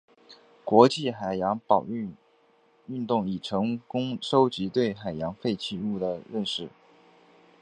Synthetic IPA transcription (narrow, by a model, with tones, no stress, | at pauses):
kwɔ˧˥t͡ɕi˥˩xa˨˩ɪjɑ˧˥ŋpɑ˨˩ʊ˥˧ | y˥˧nt̪ʊ˥˩ŋi˨˩ʈ͡ʂʰɤ˧˥ŋkʊ˥ŋʂo˥ʊt͡ɕi˧˥t̪we˥˩ɪxa˨˩ɪjɑ˧˥ŋfe˥˧ɪt͡ɕʰi˥˧u˥˩d̪ə˩ɻə˥˧nʂɻ̩˥˩